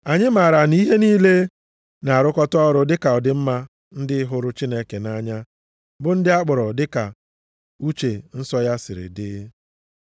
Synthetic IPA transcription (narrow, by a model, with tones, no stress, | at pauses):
a˨ɲɪ˦ma˨ɾa˨ni˦ɦe˦niː˦le˦ | na˨a˨ɾʊ˦kɔ˦tɔ˦ɾʊ˦dɪ˦ka˨ɔ˨dɪ˨m̩˦ma˦ | n̩˦dɪ˦ɦʊ˦ɾʊ˦t͡ʃi˦ne˦ke˨na˦ɲa˦ | bʊ˦n̩˦dɪ˦a˦k͡pʊ˨ɾɔ˨dɪ˦ka˨ | u˦t͡ʃe˨n̩˦sɔ˦ja˦sɪ˨ɾɪ̰˨dɪ˦